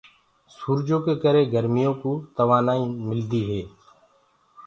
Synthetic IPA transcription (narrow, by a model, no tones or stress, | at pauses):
suːɾd͡ʒõːkeːkəɾeːɡəɾmɪjõːkuːt̪əʋaːnaːĩːmɪld̪iːɦeː